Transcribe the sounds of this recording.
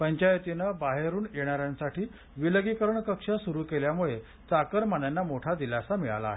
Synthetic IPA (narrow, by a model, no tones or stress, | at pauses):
pəɲt͡ɕajet̪inəbaɦeɾuːnjeɽ̃aɾjãnsaʈʰiː | ʋiləɡikəɾəɳkəkʂasuɾuːkeljamuɭe | t͡sakəɾmanjanːamoʈʰad̪ilasamiɭa̰la̰ːɦe